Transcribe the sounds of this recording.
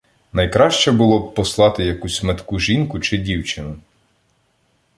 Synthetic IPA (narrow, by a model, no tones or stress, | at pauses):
nɐjkɾɑʃt͡ʃɛbʊlˠɔb̚pɔslˠɑt̪ɪjɐkusʲmet̪kuʒinkʊt͡ʃɪdʲiwt͡ʃɪnʊ